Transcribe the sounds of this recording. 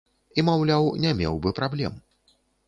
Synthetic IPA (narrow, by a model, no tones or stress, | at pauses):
imawlʲawnʲɛmʲɛ̰wbɨpɾablʲɛ̰m